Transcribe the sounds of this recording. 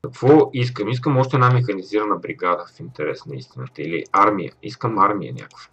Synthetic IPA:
kɐkvɔiskəmis̬kəmɔʃt̪ɛd̪amɛxɐniziɾənəbɾiɡad̪əfint̪ɛɾɛsnəḭst̪inət̪əilḭaɾmijə̰ḭskəmaɾmijə̰nʲa̰ko̥v

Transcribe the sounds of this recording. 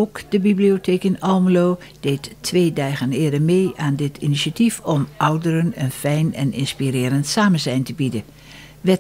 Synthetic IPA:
oːkd̥əbibliotʰeːkɪnɔlˠmloː | d̥eːtʰːʋeːdaːɣənɪːədəɹmeːʔaːndɪtʰḭniʃatifɔmʔɔwdəɾənə̰nfɛjnɛ̰nɪ̰nspirɪːɾəntsaːmənzɛjntəbidə | ʋɛ

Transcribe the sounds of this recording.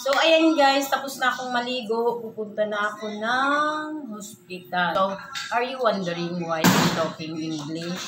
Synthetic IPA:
sowʔɐjɐnɡajst̪ɐposnɐʔɐkoŋmɐliːɡoʔpuːpʊnt̪ɐnɐʔɐko̞nɐŋhospɪt̪aowʔɐɹjuwɐnd̪ɛɹɪŋwajd̪ɪnt̪oːkɪŋʔɪŋɡlɪʃ

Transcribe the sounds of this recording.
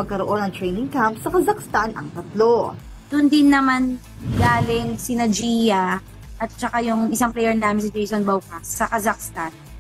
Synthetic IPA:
mɐɡ̚kɐɾoʔonɐŋt̪ɾɛjnɪŋkampsɐkɐzɐkst̪anɐ̰ŋt̪ɐt̪lo | d̪̥ʊnd̪ɪnːɐman | ɡaːlɪŋsɪnɐd͡ʒiːjɐ | ʔɐt̪̚t͡ʃɐkajʊŋʔɪsaŋplɛjɛɹnaːmɪnsɪd͡ʒejsonbowkasːɐkɐzɐk̚st̪an

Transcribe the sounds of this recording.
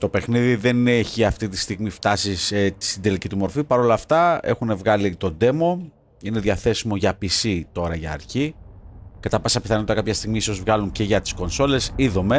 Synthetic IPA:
t̪o̞pe̞xniðiðe̞neçiɐft̪it̪i̥st̪iɣmift̪ɐsiset̪i̥sind̪e̞licit̪umo̞ɾfipɐɾo̞lɐft̪ɐexune̞vɣɐlit̪o̞d̪e̞mo̞ | ine̞ðʝɐθe̞simo̞ʝɐpisit̪o̞ɾɐʝɐːɾçi | kɐt̪ɐpɐsɐpiθɐnoot̪ɐkɐpçɐst̪iɣmiiso̞zvɣɐlunce̞ʝɐt̪i̥sko̞nso̞le̞siðo̞me̞

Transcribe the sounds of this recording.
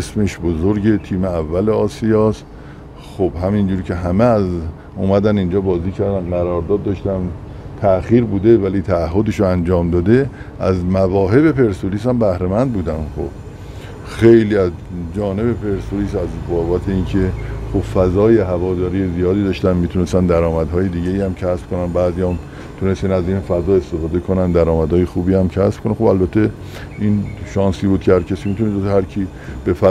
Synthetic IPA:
smeʃbozoɾɟe̞t̪ʰiːmeævːæleɒːsijɒːst̪ | xobhæmind͡ʒuːɾicʰe̞ɦæmeæz | umæd̪ænind͡ʒɒːbɒːziːcʰæɾd̪ænɡæɾɒːɾd̪ɒːd̪̚ːɒʃt̪æm | t̪ʰæxiːɾbuːd̪e̞væliːt̪ʰæːɦːod̪eʃoænd͡ʒɒːmd̪ɒːd̪e̞ | ʔæzmævɒːɦe̞βe̞pe̞ɾsoliːs̬æmbæhɾemænd̪̚buːd̪ænxo̰b̥ | xejliːæzd͡ʒɒːne̞βe̞pʰe̞ɾsoliːsæzbɒːbæt̪ʰeiːnkʰe̞xob̥fæzɒːje̞ɦævɒːd̪ɒːɾijezijɒːd̪iːd̪ɒːʃt̪ænmiːt̪ʰunest̪ænd̪æɾɒːmæd̪ɦɒːjed̪iːɟeiːæmcʰæsb̥kʰonænbæzijɒm | t̪ʰune̞st̪ænæziːnfæzɒːe̞st̪e̞fɒːd̪e̞kʰo̞nænd̪æɾɒːmæd̪hɒːjexuːbiːæmcʰæsb̥̚kʰo̞nexobælbæt̪ʰːe | ʔinʃɒnsiːbuːd̪̚cʰehæɾcʰæsiːmiːt̪ʰunest̪hæɾkʰi | b̥e̞fæ

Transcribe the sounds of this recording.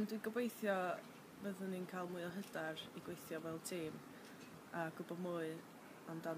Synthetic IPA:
ndwiɡɔbwejθjɔ | bəðəninkʰajlˠmuɨɔɦədariɡwejθjɔvɛlˠtʰiːm | əɡʊbɔmuɨ | ɔnda

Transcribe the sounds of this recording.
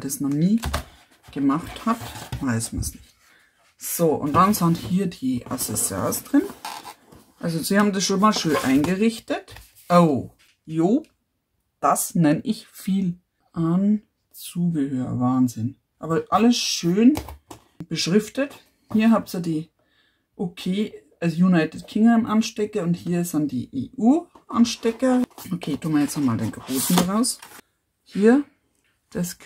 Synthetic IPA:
d̥asmɐniː | ɡ̥əmaχthatvaɪsmɐ̰nsnɪçt | z̥oːʔʊ̰nt̚d̥anzanthiːɐdiːʔa̰sɛsɑ̰ɐsd̥ʁɪn | ʔalzoz̥iːhaːbm̩dasʃoːnmaːlʃøːnʔaɪnɡəʁɪçtət | ʔoʊ | joː | d̥asnɛnʔɪçfiːl | ʔan | t͡suːɡəhøːə̰vaːnzɪn | ʔaːbɐʔaləsʃøːn | b̥əʃʁɪftət | hiːɐɦaːp̚t͡sədiː | ʔokʰeːʔalsjunaɪtɪtkʰɪŋamʔanʃtɛkɐʊnthiːɐɪsandḭːʔḛːʔuːʔanʃtɛkɐokʰeːtʰuːmiɐjɛt͡samaːldḛːnɡʁoːsn̩dʁaʊs | hiːɐ | d̥ɛs

